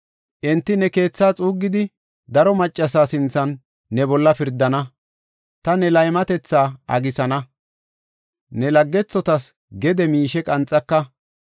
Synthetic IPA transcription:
ʔɛnt̪ːɪnɛke̞ːt͡sːaːt͡sʼuːɡːɪd̪ɪ | d̪ɐɾɔmɐt͡ʃʼːɐsaːsɪnt͡sːɐnː | ɛbɔlːɐpɪɾd̪ːɐnɐ | t̪ɐnɛlɐjmɐt̪ɛt͡sːaːɐ̰ɡɪsɐnɐ | nɛlɐɡːɛt͡sːɔt̪ɐs | ɡɛd̪ɛmiːʃɛkʼɐnt͡sʼːɐkːɐ

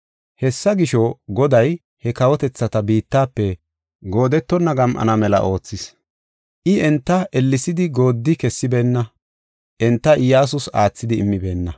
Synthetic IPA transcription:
hɛsːɐɡɪʃɔɡɔd̪ɐj | hɛkɐwɔt̪ɛt͡sːɐt̪ɐbiːt̪ːaːpːɛ | ɡo̞ːd̪ɛt̪ːɔnːɐɡɐmʔɐ̰nɐmɛlɐ̰ʔo̞ːt͡sːɪs | ʔɪɛnt̪ːɐʔɛlːɪsɪd̪ɪɡo̞ːd̪ːɪkɛsːɪbe̞ːnːɐ | ʔɛnt̪ːɐʔɪjaːs̬ʊsaːt͡sːɪd̪ɪɪmːɪbe̞ːnːɐ

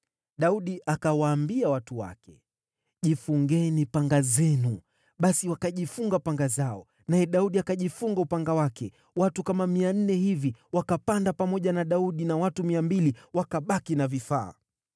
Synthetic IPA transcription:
ɗauɗiʔakawaːmbiawatuwa̰kɛ | ʄifuŋɡɛnipaŋɡazɛnu | ɓasiwakaʄifuŋɡapaŋɡazaɔ | najɛɗauɗiakaʄifuŋɡaupaŋɡawakɛ | watukamamian̩nɛhiviwakapandapamɔʄanaɗauɗinawatumiambiliwakaɓakinavifa̰ː

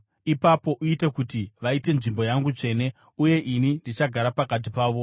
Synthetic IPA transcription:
ipapo̞ʔuitekutiʋaite̞nʐimbo̞jaŋɡut͡ʂe̞ne̞ | uje̞ʔinindit͡ʃaɡʱaɾapakat̬ipaːʋo̞

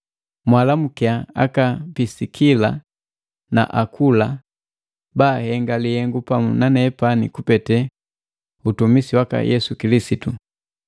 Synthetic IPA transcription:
mwalamukiaa̰kapisikʰila | na̰ʔakʰula | baːhɛŋɡalihɛŋɡupamunanɛpanḭkupɛtɛ | utumisiwaka̰jʔɛsukilisitu

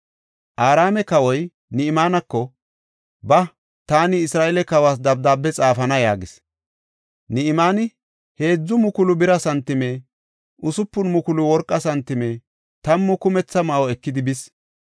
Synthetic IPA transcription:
ʔaːɾaːmɛkɐwɔj | nɪɪmaːnɐkːɔ | bɐ | t̪aːnɪɪsɾaːʔɛlɛkɐwaːs̬d̪ɐb̚d̪aːbːɛt͡sʼaːfɐnɐjaːɡɪs | nɪɪmaːnɪ | he̞ːd͡zːʊmʊkʊlʊbɪɾɐsɐnt̪ːɪmeː | ʔʊsʊpːʊnmʊkʊlʊwɔɾkʼːɐsɐnt̪ːɪmeː | t̪ɐmːʊkʊmɛt͡sːɐmɐʔɔɛkːɪd̪ɪbɪs

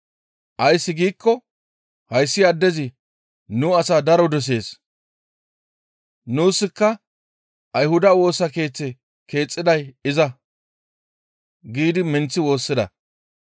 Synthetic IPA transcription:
ʔɐjsːɪɡiːkːɔ | hɐjsːɪɐd̪ːɛzɪ | nuɐsaːd̪ɐɾɔd̪ɔs̬e̞ːs | nuːsːɪkːɐ | ʔɐjhʊd̪ɐwo̞ːsɐke̞ːt͡sːɛ | kʰe̞ːt͡sʼːɪd̪ɐjɪzɐ | ɡiːd̪ɪmɛnt͡sːɪwo̞ːsːɪd̪ɐ̰

